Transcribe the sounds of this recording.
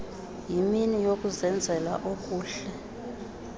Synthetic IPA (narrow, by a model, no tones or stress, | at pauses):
jiminijokʼuzɛnd͡zʱɛla̰ʔokʼuːɬɛ